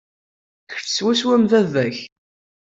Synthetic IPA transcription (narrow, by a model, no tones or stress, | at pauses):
kə̥ɾθswæswæmðævæç